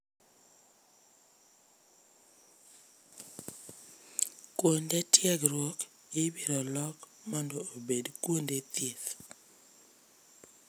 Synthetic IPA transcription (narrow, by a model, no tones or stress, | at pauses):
kwondetjɛɡɾwɔk | ibiɾɔlɔkmɔndɔːbedkwondet̪et